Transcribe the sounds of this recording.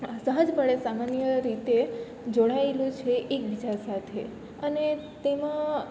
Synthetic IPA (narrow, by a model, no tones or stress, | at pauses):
asəɦəd͡ʒbʱəɭesamanjəɾit̪e | d͡ʒoɽaelũt͡ʃʰeʔek̚bid͡ʒasat̪ʰḛ | ənet̪emã